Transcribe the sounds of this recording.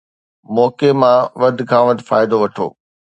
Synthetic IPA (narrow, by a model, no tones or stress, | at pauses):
mɔːkemãʋɐd̪ʱɪkʰãːʋɐd̪ʱɪfaːɪd̪oʋɐʈʰo̰ː